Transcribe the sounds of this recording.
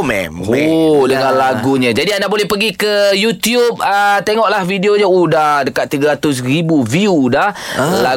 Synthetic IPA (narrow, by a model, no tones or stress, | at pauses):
mɛ̰modəŋãnlaɡuɲãd͡ʒadiandaʔbolɛhpəɡikəjut̪jup̚ət̪eŋɔʔlahvideoɲaudahdəkat̪̚ːiɡaɾat̪ʊs̬ribuviuːdahla